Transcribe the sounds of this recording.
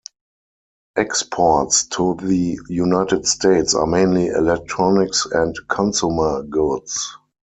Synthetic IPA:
ʔɛkspʰɔtstʰuðəjunaɪtɪdsteɪtsa̰mẽɪ̃nliʔɛ̰lɛk̚tʰɹɔnɪksɛ̃ntkʰɔ̃nsumə˞ɡʊds

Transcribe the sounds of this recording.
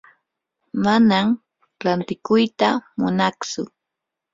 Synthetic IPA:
manam | ɾant̪ɪkʊjt̪amʊnaχt͡sʊ

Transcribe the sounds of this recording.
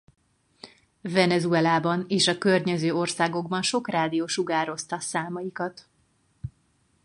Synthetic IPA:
vɛnɛzuɛlaːbɒneːʃɒkørɲɛzøːo̞rsaːɡo̞ɡbɒnʃo̞kraːd̪ijoːʃuɡaːɾo̞st̪ɒsaːmɒjikɒt̪

